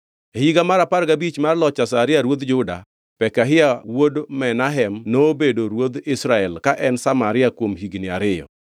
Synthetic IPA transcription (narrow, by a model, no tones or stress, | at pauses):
hiɡamaɾapaɾɡabit͡ʃmarlɔt͡ʃasaɾɪaɾwod̪d͡ʒʊda̰ | pɛkaɦɪawodmɛnaɦɛmnobedoɾwod̪ɪsɾaɛlkaʔɛnsamaɾɪakwomhiɡnɪa̰ɾɪjɔ̰